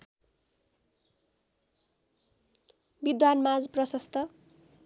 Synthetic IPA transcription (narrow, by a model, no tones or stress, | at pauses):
bid̪wanmad͡zprʌsʌst̪ʰʌ